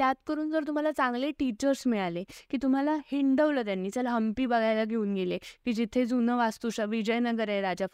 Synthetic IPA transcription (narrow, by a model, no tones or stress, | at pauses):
t̪jat̪kəɾuːnd͡zəɾt̪um̤alat͡sãŋɡleʈit͡ɕəɾsmiɭalekiːt̪um̤alahiɳɖəʋlət̪janːiːt͡səlɦəmpiːbəɡʱajlaɡʱeuːnɡelekiːd͡ʑit̪ʰed͡zunəʋast̪uɕəʋid͡ʑəjnəɡəɾẽjɾad͡ʑaf